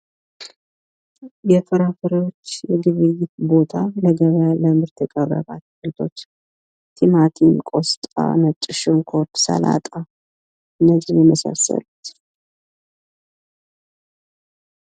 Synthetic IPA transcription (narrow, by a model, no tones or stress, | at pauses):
jɛfʰəɾafɨɾəwot͡ʃːjɛɡɨβɨjɪt̪bo̞t̪ʰaləɡəβaləmɨɾt̪ʰɨkʼəβːə̰βa̰t̪̚ɡɨlt̪ʰo̞t͡ʃː | t̪ʰimat̪ʰinkʼo̞st̪ʼa̰mət̪ʼːɨʃɨŋkʰo̞t̪sə̰la̰t̪ʼa | ɨnːəd͡ʒijjɛməsa̰sə̰lut̪